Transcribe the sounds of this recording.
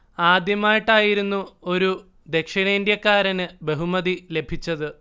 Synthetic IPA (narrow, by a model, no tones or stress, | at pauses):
aːd̪jɐmaːjiʈːaːjiɾunːuo̞ɾu | d̪e̞kʂiɳɐind̪jɐkːaːɾɐnɨbe̞ɦumɐðile̞bʱit͡ɕːɐðɨ